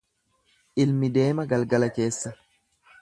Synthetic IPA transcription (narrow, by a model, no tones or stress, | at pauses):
ʔɪlmɪd̪e̞ːmɐɡɐlɡɐlɐke̞ːsːɐ